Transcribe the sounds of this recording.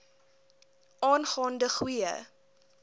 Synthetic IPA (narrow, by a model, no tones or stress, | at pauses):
ɑːnχɑːndəχwiə̰